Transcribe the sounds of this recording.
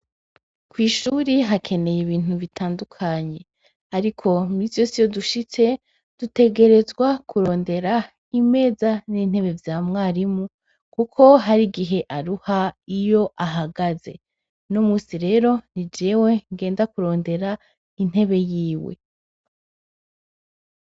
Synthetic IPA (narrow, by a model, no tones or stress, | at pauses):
kwiːʃuɾiɦakʰe̞ne̞jiβiːn̥uβitʰaːndukʰaɲe̞ | aɾikʰo̞misijosijoduʃit͡se̞ | d̥ute̞ɡe̞ɾe̞zɡwakʰuɾo̞ːnde̞ɾa | ime̞ːzaniːn̥he̞βe̞vjaːmŋaːɾimu | kukʰo̞ɦaɾiɡiɦe̞ʔaɾuhaijo̞ʔaɦaɡaze̞̰ | nomuːsiɾe̞ːɾo̞nid͡ʒewe̞ŋɡe̞ːndakuɾo̞ːnde̞ɾa | in̥e̞βe̞jiːwḛ